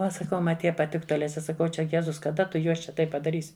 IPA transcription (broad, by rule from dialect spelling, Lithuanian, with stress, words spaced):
ˈʋɐ sɐˈkɐʊ ˈmɐ ˈtʲiɛ pɐˈtʲɪktʊ ɐˈlʲɛ ˈt͡ʃʲɛ sɐˈkɐʊ ˈt͡ʃʲɛ ˈjæːzʊs kɐˈdɐ tʊ ˈjuɔs t͡ʃʲɛ ˈtɐɪp pɐdɐˈrʲiːsʲɪ